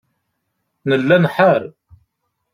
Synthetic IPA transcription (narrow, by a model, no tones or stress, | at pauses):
nəlːænħaɾ